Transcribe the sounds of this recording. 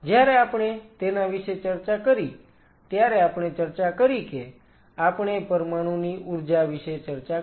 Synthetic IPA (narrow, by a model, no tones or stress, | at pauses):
d͡ʒjaɾeapɽ̃et̪enaʋiʃet͡ʃəɾt͡ʃakəɾi | t̪jaɾeapɳ̃et͡ʃəɾt͡ʃakəɾike | apɽ̃epəɾmaɽ̃ũniʔuɾd͡ʒaʋiʃet͡ʃəɾt͡ʃa